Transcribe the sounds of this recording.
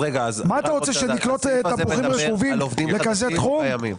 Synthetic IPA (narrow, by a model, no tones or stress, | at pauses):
ʁeɡamaːt̪aʁot͡seʃeniklot̪ːapuχiʁefuvimvdimlekazet̪χummim